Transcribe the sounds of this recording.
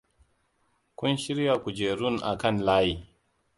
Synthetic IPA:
kʷʊ˦nʃɪ˦ɾja˨kʷu˨d͡ʒeː˨ɾʊ˦˨nʔa̰˨kɐ˦nlaː˦jiː˨

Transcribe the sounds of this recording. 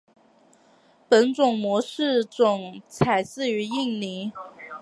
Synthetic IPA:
pə˧˥nt͡sʊ˨˩ŋmwɔ˧˥ʂɻ̩˥˩t͡sʊ˨˩ŋt͡sʰa˨˩ɪsɹ̩˥˩˧y˧˥i˥˩ŋli˧˥˦

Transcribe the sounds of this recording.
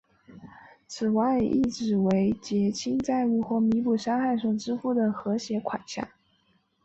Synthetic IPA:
t͡sʰɹ̩˨˩wa˥˩ɪḭ˥˩ʈ͡ʂɻ̩˨˩we˧˥ɪt͡ɕjɛ˧˥t͡ɕʰi˥nt͡sa˥˧ɪy˥˧xwɔ˥˩mi˧˥pu˨˥˩ʂɑ˥ŋxa˥˧ɪʂɤ˥˩ŋʈ͡ʂɻ̩˥fu˥˩d̪ə˩xɤ˧˥ɕjɛ˧˥kʰwa˨˩ɕja̰˥˩

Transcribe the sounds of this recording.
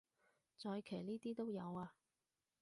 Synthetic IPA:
t͡sɔː˧jkʰe˨˩jniː˥t̪iː˥t̪o˥wjɐ˨˧waː˧

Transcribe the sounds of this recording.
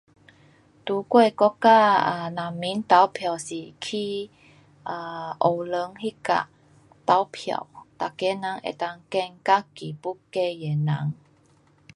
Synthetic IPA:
t̪u˨˦kwe˥˧˨kɔ˦˥ka˥˧˨ə˧na˨˩mmːi˨˦nt̪a˨˦wpʰja˨˩wsi˨˩kʰi˧ | ʔə˧ʔo˨˩lə˧˦ŋhi˦ka̰˨ | t̪a˨˦wpʰja̰˨˩wt̪a˨ke˨˦nã˨˦ŋʔḛ˨˩t̪a˧ŋkɛ˥˧˨nka˦ki˨˩pu˦kːe˥˧˨je˨˩nã̰˨˦ŋ

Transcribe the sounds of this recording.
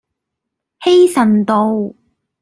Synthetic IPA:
he˥jsɐ˨nt̪o˧w

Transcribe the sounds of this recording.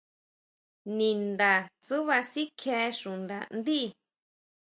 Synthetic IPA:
nĩ˨nd̪a˨t͡su˦βa˧si˦kʰe˧˦ʃũ˨nd̪a̰˨nd̪i˦˨

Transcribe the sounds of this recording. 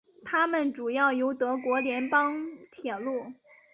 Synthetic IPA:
t̪ʰa˥mə˨nʈ͡ʂu˨˩jɑ˥˩ʊjo˧˥ʊt̪ɤ˧˥kwɔ˧˥ljɛ˧˥npɑ˥ŋt̪ʰjɛ˨˩lu˥˩

